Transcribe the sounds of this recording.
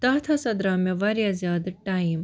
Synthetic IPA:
t̪aːt̪ʰɐsɐd̪ɾaːmjɐʋaɾjazjaːd̪ʈaim

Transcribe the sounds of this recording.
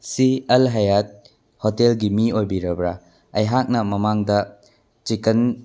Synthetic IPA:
sielɦajat̚ | hotelɡimiojbiɾɐbɾa | ɐjɦak̚nɐmɐmaŋdɐ | t͡ʃikɐn

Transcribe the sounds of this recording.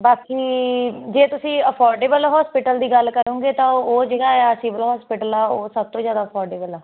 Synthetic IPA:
baːkiːd͡ʒeːt̪ʊsĩːəpʰɔːɾɖeːbəlɦɔːspɪʈəld̪iːɡəlkəɾõːɡeːt̪ãːoːd͡ʒeːɡaːɛsiːʋəlɦɔːspɪʈəlɛːoːsəb̚t̪õːzjaːd̪aːpʰɔːɾɖeːbəlɛː

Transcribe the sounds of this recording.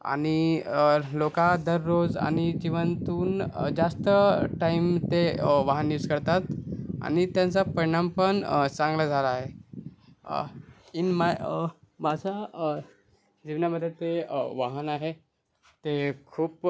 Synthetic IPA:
a̰ɽ̃i | lokad̪əɾːod͡za̰ɽ̃id͡ʑiʋənt̪uːnd͡zast̪əʈaimt̪eʋaɦənːiuskəɾt̪at̪a̰ñit̪jãnt͡sapəɾiɳ̃ampəɳt͡sãŋɡlad͡zʱalaːɦe | inma | mad͡zʱa | d͡ʑiʋnjaməd̪ʱjet̪eʋaɦənaɦe | t̪ekʰuːp

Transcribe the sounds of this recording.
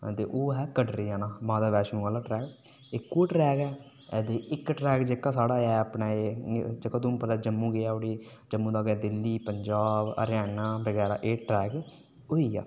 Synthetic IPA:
t̪ḛːʔoːɦɛːkəɖɾiːɛːnaːmãːd̪aːʋɛːʃnũːɡəlaːʈɾɛːk | ɪkːuːʈɾɛːkɛː | d̪eːʔɪkʈɾɛːkd͡ʒeːkaːsaːɽaːɛəpnaːeːd͡ʒeːkãːt̪ʊm̃ːpət̪aːd͡ʒəmːũːɡeaːoɽiː | d͡ʒəmːũːd̪aːɡɛːd̪ɪlːiːpəɲd͡ʒaːbə̰ɾjaːnaːbəɡɛːɾa̰ːʔeːʈɾɛːkː | oːiːa̰ː

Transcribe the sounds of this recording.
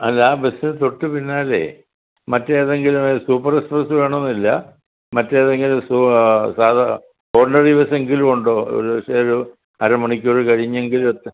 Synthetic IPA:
ɐlːaːbesint̪o̞ʈːɨpinːaːlḛː | mɐtːeːðeŋɡilusuːpːɐrekspɐrsɨʋeːɳɐmonːilːɐ | mɐtːeːɐðeŋɡilususaːd̪ɐ | oːrnɐriʋɐse̞ŋɡilumuɳɖoːo̰ɾuʋɐʂeoɾu | ɐɾɐmɐɳikʲːoɻɨkɐɻiɲːeŋɡilumɐt̪ː

